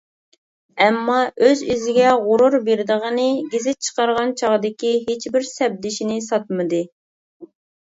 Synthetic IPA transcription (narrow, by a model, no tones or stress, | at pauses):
ɛmːɑøzyzɪɡʲɛʁʊɾuɾbeɾd̪əʁənɨɡʲezɪt̪̚t͡ʃʰə̥qɑɾʁɑnt͡ʃʰɑʁd̪ɪkʲiɦet͡ʃbɪɾsɛb̚d̪ɪʃinɪsɑt̪̚mɨd̪ɨ